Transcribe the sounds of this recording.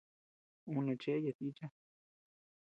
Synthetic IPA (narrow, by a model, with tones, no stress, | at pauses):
ũ˧nẽ˧t͡ʃe˦ja˧t̪i˦t͡ʃa˦